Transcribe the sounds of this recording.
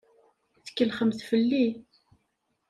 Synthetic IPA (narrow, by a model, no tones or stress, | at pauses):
θə̥kːəlχəmθfəlːi